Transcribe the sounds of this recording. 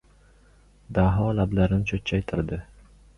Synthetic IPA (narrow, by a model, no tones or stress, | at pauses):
d̪aɦɒlablaɾɪnɪt͡ʃʰot̪̚t͡ʃʰːajt̪ʰɪɾd̪ɪ